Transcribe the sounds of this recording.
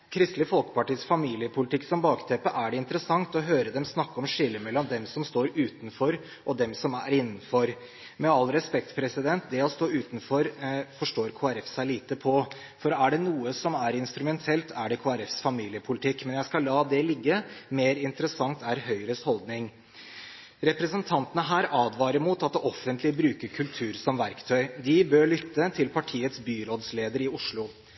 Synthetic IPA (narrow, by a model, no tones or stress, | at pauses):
kʰɾɪst̪ləfɔlkə̥pɑʈiːsfɑmiːlɪəpʰʊlɪt̪ɪkːsɔmbɑːkt̪ʰɛpəʔæɖɛɪnt̪əɾəsɑŋt̪ɔɦøːɾəd̪ɛmsnɑkːəɔmʂɪlːəmɛlːɔmd̪ɛmsɔmst̪oːɾʉːt̪n̩fɔɾ | ʔɔd̪ɛmsɔmæɾɪnːnn̩fɔɾ | mɛɑlɾɛspɛk̚t̪pʰɾɛsɪd̪ɛnt̪d̪ɛɔst̪oːʉːt̪n̩fɔɾfɔʂʈoːɾkʰoːæɾɛfsæɪliːt̪əpʰɔ | fɔɾæɖɛnuːəsɔmæɾɪnst̪ɾʉmɛnt̪ʰɛlt̪ʰæɖɛkʰoːæɾɛfsfɑmiːlɪəpʰʊlɪt̪ʰɪkːmɛnjæɪskɑlːɑːd̪ɛlɪɡːəmeːɾɪnt̪əɾəsɑŋt̪æɾɦœʏɾəshɔld̪nɪŋ | ɾɛpɾɛsənt̪ʰɑnt̪ənəɦæːɾɑːd̪ʋɑːɾəmuːt̪ɑt̪ɔfənt̪lɪbɾʉːkəɾkʰʉlt̪ʰʉːɾsɔmʋæɾkt̪ʰœʏd̪ɪbøːɭʏt̪ːət̪ʰɪlpʰɑʈʰiːət̪sbyːɾoːd̪sleːd̪əɾɪʊʂɭʊ